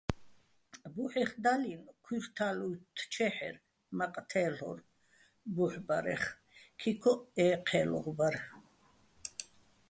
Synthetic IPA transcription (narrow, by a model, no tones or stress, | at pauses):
buħɛχd̪alinkʰwiɾt̪ʰalujt̪ʰt͡ʃʰɛħɛ̰ɾ | maqʼt̪ʰɛːɬɔ̰ɾ | buħbaɾɛ̰χ | kʰikʰɔɛːqʰɛːlɔ̰ʁbaɾ